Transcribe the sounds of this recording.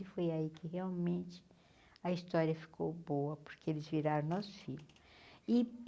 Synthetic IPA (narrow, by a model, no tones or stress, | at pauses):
ɪfojaikɪɦeawmẽnt͡ʃɪ̥ | ɐist̪ɔɾiɐfi̥kʰowbowɐpo̥ɾkeelɪzviɾaɾɐ̃w̃nɔsʊ̥fiʎʊ | ɪ